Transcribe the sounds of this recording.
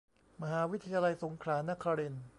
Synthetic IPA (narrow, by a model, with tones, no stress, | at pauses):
ma˧ɦaː˩˦wi˦˥t̪ʰa˧jaː˧la˧jso˩˦ŋkʰlaː˩˦na˦˥kʰaː˧ɾe˧n